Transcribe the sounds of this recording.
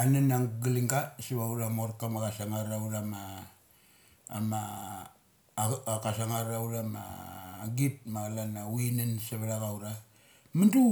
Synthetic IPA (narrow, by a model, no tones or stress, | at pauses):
ananaɡiliŋɡasiβauɾamoɾkamakasaŋaɾauɾama | ma | kasaŋaɾauɾama̰ɡit̚maɡalanawinansaβaɾaɡawɾa | mandu